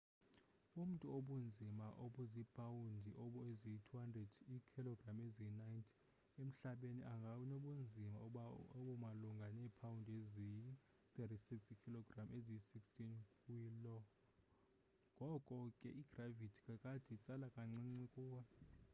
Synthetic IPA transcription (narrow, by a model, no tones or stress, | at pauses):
um̩tʼuoɓund͡zʱimaʔoɓuzipʰawundʱiʔɔɓɔeziitʰuhandrɛd̥ikʰilɔɡramezinajntʰ | em̩ɬaɓenḭʔaŋɡʱanoɓund͡zʱima̰aoɓumaluŋɡʱanɛpʰawundʱezii | t̪ʼetisikskʰilɔɡramʔeziisikstʰʼinkwilɔ | ŋɡʱɔkʼɔkʼɛ̰ʔiɡ̥ravitʰi̥kʼakʼad̥ʱit͡sʼalakʼaŋ͡ǀiŋ͡ǀikʼuːwɛ